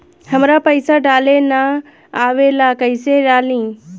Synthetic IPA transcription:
həmɾapəɪsaɖaːlena | aːʋelakəɪseɖaːlĩː

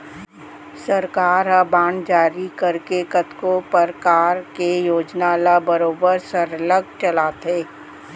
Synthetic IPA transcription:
səɾkaːɾɦabãːɳd͡ʒaːɾikəɾkekət̪kopəɾkaːɾkejoːd͡ʒnalabəɾoːbəɾsəɾləɡ̚t͡ʃɐlaːt̪ʰeː

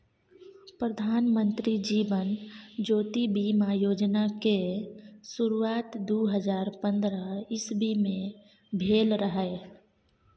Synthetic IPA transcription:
pɾəd̪ʱaːnmə̃nt̪ɾid͡ʒiːʋənd͡ʒoːt̪ibimajoːd͡ʒnake | suɾuaːt̪d̪uɦəd͡ʒaːɾpə̃nd̪ɾəɪsbʱimẽ | bʱeːlɾəɦɛ

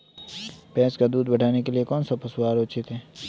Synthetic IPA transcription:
pɛːskad̪uːd̪bɐɽ̤ʱaːnekeliekɔːnsapɐsoaːɾoːt͡ʃɪt̪ɦɛː

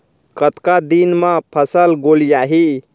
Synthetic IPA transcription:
kət̪kad̪inmãpʰəsəlɡolijaɦi

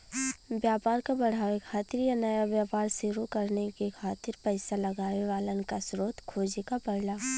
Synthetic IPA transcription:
bjaːpaːɾkabɐɽ̤aːʋekʰaːt̪ɪɾjanɐjabjaːpaːɾsɪɾukɐɾnekekʰaːt̪ɪɾpɛɪsalɐɡaːeʋaːlənkasɾoːt̪kʰoːd͡ʒekapɐɽlaː

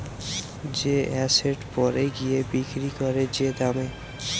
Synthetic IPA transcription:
d͡ʑeɛseɖpɔɾeɡiebikɾikoɾed͡ʑed̪ame

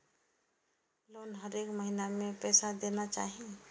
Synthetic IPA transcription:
lonɦəɾekməɦinamepɛsad̪enat͡ʃaːɦie

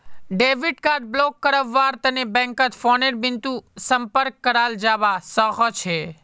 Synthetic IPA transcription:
ɖeʋiɖkaɾɖ̚blɔkːəɾəʋːaɾt̪ənebɛ̃ŋkət̪fɔneʈbɪnt̪ũsəmpəɾkːəɾald͡ʒaʋasəɦɔt͡ʃʰe

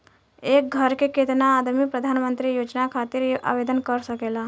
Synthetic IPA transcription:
ek̚ɡʱəɾkeket̪naːd̪mipɾəd̪ʱanmənt̪ɾijod͡ʒnakʰat̪iːɾʔa̰ʋed̪ənkəɾsəkela

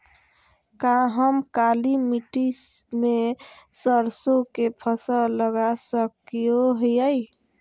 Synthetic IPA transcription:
kaɦəmkalimiʈismesəɾsokepʰəsələɡasəkijoɦjəj

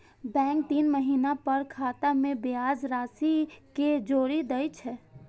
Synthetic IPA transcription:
bɛ̃k̚t̪inməɦinapəɾkʰat̪amebiad͡ʒɾasiked͡ʒoɾid̪ɛjt͡ʃʰɛ

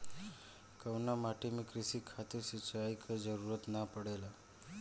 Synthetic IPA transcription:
kəwnamaʈʰemiːkɾisiːkʰat̪iɾsit͡ɕaaikʰəd͡zəɾuɾət̪napəɽela

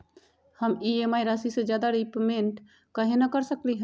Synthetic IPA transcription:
həmiemajɾasised͡ʒjad̪aɾipmeɳʈ | kəɦenəkəɾsəkliɦ

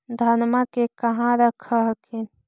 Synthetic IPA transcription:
d̪ʱɐnmakekɐɦãɾəkʰəɦkʰin

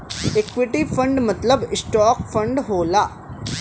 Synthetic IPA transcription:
ekʋɪʈifʰə̃ɳɖmɐt̪ləbɪsʈɔːkfʰə̃ɳɖɦoːlaː

